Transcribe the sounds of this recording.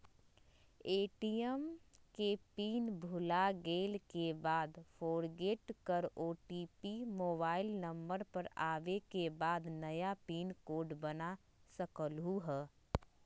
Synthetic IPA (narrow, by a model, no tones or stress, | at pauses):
eːʈijəmkepiːnbʱʊlaɡeːlkebaːd̪fʰoːɾɡeːʈkəɾoːʈiːpimoːbaːɪlnəmbəɾpəɾaːʋekebaːd̪nəjapiːnkoːɖbəna | səkəlɦuɦɛː